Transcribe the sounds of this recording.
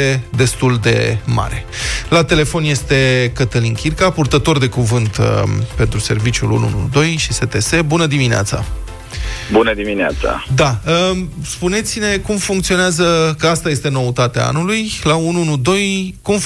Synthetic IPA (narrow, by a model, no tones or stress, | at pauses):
ed̪e̞st̪uld̪e̞̰ma̰ɾe̞lat̪e̞le̞fo̞nje̞st̪e̞kət̪əlinkʲirkapurt̪ət̪o̞rd̪e̞kuvɨnt̪pe̞nt̪ɾuse̞rvit͡ʃʲṵlṵnṵnṵd̪o̞jʃise̞t̪e̞se̞bunəd̪iminea̰t̪sa̰ | bunəd̪iminea̰t̪sa̰d̪aəspune̞t̪sine̞kumfuŋkt̪sio̞neazəkəast̪aje̞st̪e̞no̞ut̪at̪ea̰a̰nulujlaunuunud̪o̞jkum